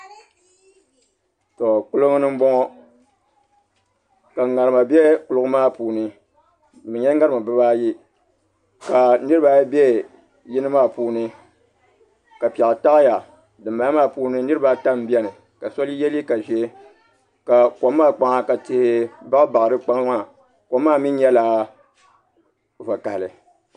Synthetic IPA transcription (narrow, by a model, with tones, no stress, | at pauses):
to˨k͡pʊ˦lɨ˦ŋ˦nɨ˦m̩˦ɡ͡bɔ˦ŋɔ˦ | ka˨ŋa˨ɾɨ˨ma˨bɛ˦kʊ˨lʊ˨ɡʊ˦maː˦puː˨nɨ˦˨ | mɨ˨ɲɛ˦ŋa˦ɾɨ˨ma˨bɨ˦βaː˦ji˦ | ka˨nɨ˦ɾɨ˦ba˦bɛ˦ | ji˦nɨ˦maː˦puː˦nɨ˦ | ka˨pi˨ɛ˨kta˦kja˨ | dɨ˨mba˨˦maː˦˨puː˦nɨ˦nɨ˦ɾɨ˦ba˦ta˦m˦bjɛ˦nɨ˨ | ka˨so˦li˦jɛ˦li˦ka˨ʒɛ˦ | ka˨ko˨mː˦aː˦k͡pa˦ŋa˦ka˨tɪ˨hɪ˦ba˦ba˨ɾɨ˦k͡pa˦ŋ˦ma˦˨ | ko˨˦mːaː˦˨mi˦n˦ɲɛ˦laː˦ | va˨ka˨lɨ˨